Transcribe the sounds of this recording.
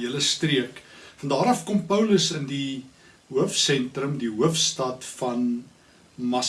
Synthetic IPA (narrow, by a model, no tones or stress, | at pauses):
ələstriəkfɐndɑːɾɐfkɔmpœwləsəndi | ɦuəfsɛntrəmdiɦuəfstɐtfɐn | mɐ